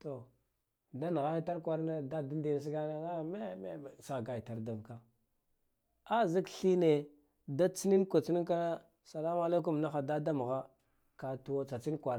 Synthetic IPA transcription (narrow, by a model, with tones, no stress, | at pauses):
to˨ | da˦n˨ɣa˦ji˦ta˦ɾkʷa˦ɾna˦da˦da˦di˦˨s̬i˦ɡa˦na˦a˦˨me˦me˦˨sa˨ɡa˨ji˨ta˨ɾda˨vka˦ | a˦zi˦kɬi˦ne˨ | da˦t͡si˦ni˦nkʷa˨t͡si˦ni˦ka˦na˦ | sa˨la˦ma˦la˦k̬u˦˨mna˦xa˨da˦da˦m˨ɣa˦ | ka˨tu˨wa˦t͡sa˨t͡si˦n˦kʷa˨ɾ